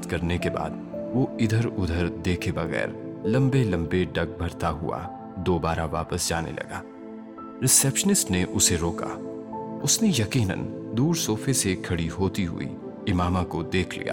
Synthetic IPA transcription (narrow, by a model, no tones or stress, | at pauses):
t̪kɐɾnekeba̰ːd̪ʋoɪd̪ʱəɾʊd̪ʱəɾd̪eːkʰebɐɣɛ̰ːɾlɐ̃mbelɐ̃mbeɖɐɡ̚bʱɐɾt̪aɦʊ̰a̰ | d̪oːbaːɾaʋaːpəsd͡ʒaːnḛlʔɐ̰ɡa̰ː | ɾɪsɛːpʃənɪsʈneʔʊseɾoːka̰ʊsnejɐqiːnə̰̃nd̪uːɾsoːfʰesekʰɐɽiɦoːt̪iɦʊ̰ḭ | ɪmaːmakod̪eːkʰlḭja̰ː